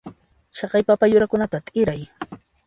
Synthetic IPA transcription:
ʃɑqɑjpapajʊɾakʊnat̪at̪ʼɪɾaj

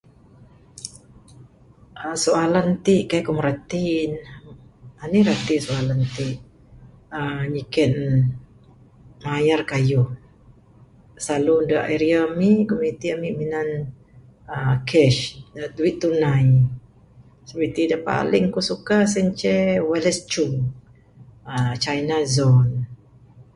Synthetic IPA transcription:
ʔasoalant̪iʔkajkumɾat̪in | aniɾat̪isoalant̪iʔ | əɲikɛt̪̚ | majarkaju | saludəʔɛɾiamikomit̪iamiminan | əkʰɛʃduwit̪̚ːunaj | səbit̪idapa̰lɪŋkusukasɛɲt͡ʃɛwɛlɛst͡ʃuŋ | at͡ʃajnazɔn

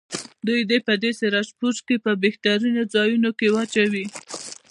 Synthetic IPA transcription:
d̪ujd̪epəd̪eseɾɑspuɾkepəbext̪aɾinod͡zɑjunokewat͡ʃawi

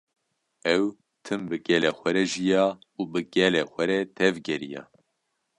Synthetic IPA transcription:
ɛw | t̪ʰɨmbɨɡɛlɛxʷɛɾɛʒijɑː | ubɨɡ̥ɛlɛxʷɛɾɛt̪ʰɛvɡɛɾija̰ː

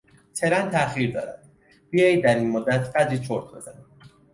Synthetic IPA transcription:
t̪ʰeɾænt̪ʰæχiɾd̪ɒ̰ːɾæd̪̥ | biejd̪æɾiːnmod̪ːæt̪ʰbæd̪ɾiːt͡ʃʰoɾt̪ʰbezæni

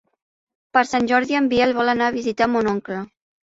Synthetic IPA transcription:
pəɾsanʲʒɔɾðiəmbiɛlβɔlənaːβizit̪amonɔŋklə

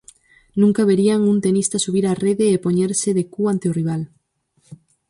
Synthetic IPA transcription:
nũŋkaβ̞eɾiaŋunt̪enist̪asuβ̞iɾareðeːpoɲeɾseðekuant̪eoriβ̞al

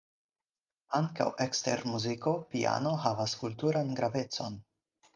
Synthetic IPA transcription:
aŋka̰wʔekste̞̰ɾmuziko̞pia̰no̞havaskultuɾanɡɾave̞t͡so̞n

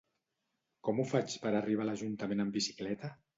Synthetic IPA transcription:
kɔmufat͡ʃpəɾariβ̞alaʒunt̪əmenəmbisi̥klɛt̪ə

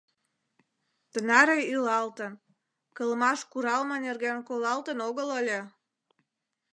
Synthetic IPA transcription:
t̪ənɑɾeilɑlt̪ən | kəlmɑʃkuɾɑlmɑnerɣenkolɑlt̪ənoɣələlʲe

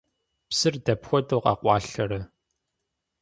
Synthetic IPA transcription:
psɨrdɐpxʷɔdʼɐwqɐ̰qʷɑːɬɐɾɐ

